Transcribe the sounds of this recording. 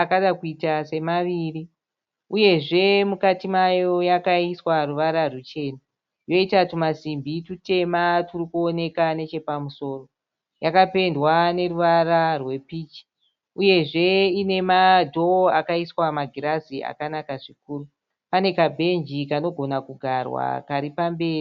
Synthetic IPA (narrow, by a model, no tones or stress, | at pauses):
akaɗakuitase̞maʋiri | uje̞ʐe̞mukatimajo̞jakaiswaruʋaɾarut͡ʃe̞ːna | jo̞itatumasimbitute̞maturikuone̞kane̞t͡ʃe̞pamuso̞ːro̞ | jakape̞ndwane̞ruʋararwe̞piːt͡ʃi̥ | uje̞ʐe̞ine̞madʱo̞akaiswamaɡʱiɾaziʔa̰kanakaʐik̚uːru | pane̞kabʱe̞nd͡ʒikano̞ɡʱonakuɡʱarwa̰kaɾipambe̞ːrii